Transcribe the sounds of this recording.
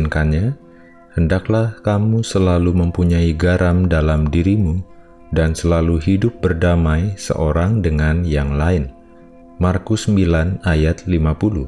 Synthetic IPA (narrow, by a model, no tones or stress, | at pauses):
nkanɲa | həndaklahkamusəlaluməmpuɲaiɡaɾʔamdalamdiɾimu | dansəlaluɦidʊp̚bərdamajsə̰ʔoɾaŋdəŋanjaŋlaɪn | markʊsəmbilanajat̪̚limapuluh